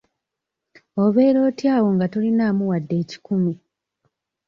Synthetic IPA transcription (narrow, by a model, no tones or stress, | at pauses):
o̞βe̞ːɾo̞ːtjaːwo̞ŋɡato̞linaːmuwadːe̞ːci̥kumi